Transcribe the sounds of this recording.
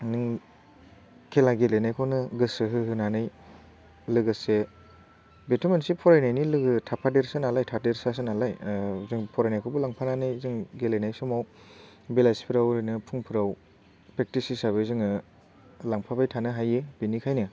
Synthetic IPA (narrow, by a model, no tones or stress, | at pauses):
nɯŋ | kʰelaɡelenajkʰɔwnɯɡɯsɯɦɯɦɯnanɯj | lɯɡɯse | betʰɔmensipʰɔɾajnajnilɯɡɯtʰapʰadeɾsɯnalajtʰadeɾsas̬ɯnalajzɯŋpʰɔɾajnajkʰɔbulaŋpʰananɯjzɯŋɡelenajsɔmaw | belajspʰiɾawɾɯnɯpʰuŋpʰɯɾaw | pɾek̚tisisaβɯzɯŋɯ | laŋpʰabajtʰanɯɦajebinikʰajnɯ